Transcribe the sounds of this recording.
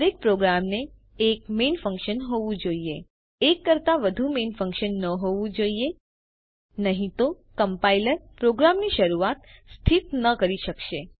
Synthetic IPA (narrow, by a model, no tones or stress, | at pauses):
ɾek̚pɾoɡɾamneː | kmenfə̃ŋkʃənɦoʋũd͡ʒoie | ekːəɾt̪aʋəd̪ʱumenfə̃ŋkʃənːəɦoʋũd͡ʒoie | nəɦĩt̪o | kəmpailəɾpɾoɡɾamniʃəɾuat̪st̪ʰit̪nəkəɾiʃəkʃe